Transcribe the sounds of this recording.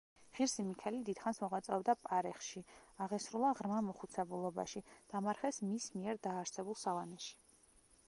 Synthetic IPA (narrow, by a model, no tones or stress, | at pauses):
ʁ̥iɾsimikʰɛlid̪id̪̥χansmɔʁat̪sʼɔvd̪apʼaɾɛχʃiaʁɛsɾulˠaʁɾmamɔχut̪sʰɛbulˠɔba̰ʃid̪̥amaɾχɛsmismiɛɾd̪aːɾsɛbulˠsalanɛʃi̥